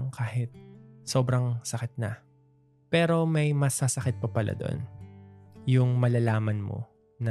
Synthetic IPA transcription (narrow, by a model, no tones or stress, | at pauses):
ŋkaːhɪt̪̚so̞ːbɾɐŋsɐkɪt̪̚nɐ̰ | pɛːɾo̞mɐjmɐsasɐkɪt̪̚pɐpɐlʔa̰d̪oʔo̰n | jʊŋmɐlalaːmɐnmo̰ | nɐ